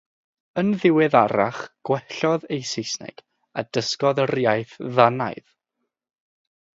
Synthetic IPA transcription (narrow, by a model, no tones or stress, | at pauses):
ənðɪwɨðaɾa̰χɡ̥wɛɬɔðejsejsnɛ̰ɡ̥ | ad̥əskɔðərjajθðana̰jð